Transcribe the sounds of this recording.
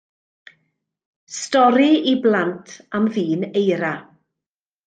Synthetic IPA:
stɔɾiiblantʰamviːnejɾa

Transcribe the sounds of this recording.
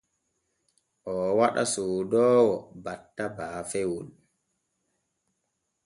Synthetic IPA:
ʔɔwaɗa̰suːdɔːwɔbatːabaːfɛwul

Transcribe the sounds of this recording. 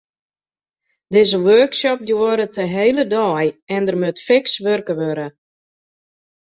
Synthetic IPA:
dɪzəʋøːksɔp̚djuəɾətʰəɦejlədɔːjɛndərmøtfɪksʋørkəʋøɾə

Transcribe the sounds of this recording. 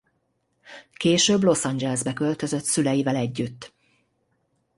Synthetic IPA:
keːʃøːblo̞sɒnd͡ʒɛlɛzbɛkø̞lt̪øzø̞t̪sylɛjivɛlɛɟːyt̪ː

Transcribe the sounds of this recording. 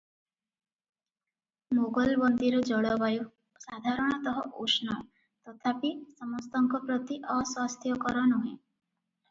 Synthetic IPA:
moɡɔlbɔnd̪iɾɔd͡ʒɔɽɔbaju | sad̪ʱaɾɔɽ̃ɔt̪ɔɦɔʔusnɔ | t̪ɔt̪ʰapisɔmɔst̪ɔŋkɔpɾɔt̪iʔɔswast̪ʰjɔkɔɾɔnuɦẽ

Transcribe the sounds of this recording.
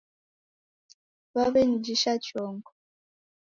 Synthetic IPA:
βaβɛn̩d͡ʒiʃat͡ʃɔːŋɡɔ

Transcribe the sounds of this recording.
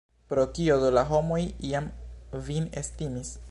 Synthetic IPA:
pɾo̞kio̞dolaɦo̞mo̞jiamvinestimis

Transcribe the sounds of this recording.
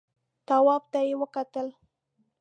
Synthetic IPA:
t̪awɑb̚t̪ajewəkat̪əl

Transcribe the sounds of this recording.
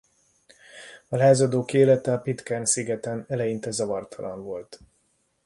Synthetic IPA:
ɒlaːzɒd̪oːkeːlɛt̪ɛɒpit̪kaːnsiɡɛt̪ɛnɛlɛjint̪ɛzɒvɒrt̪ʰɒlɒ̰ɱvo̞lt̪

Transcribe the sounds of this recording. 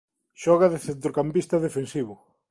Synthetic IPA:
ʃɔɣɐðeθent̪ɾokampist̪ɐðefensiβʊ

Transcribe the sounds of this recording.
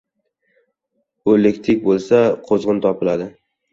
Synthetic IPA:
ʊelekʲt̪ʰɪk̚ʲbolˠsaqʰozʁɨnt̪ʰɒpɪlad̪ɪ

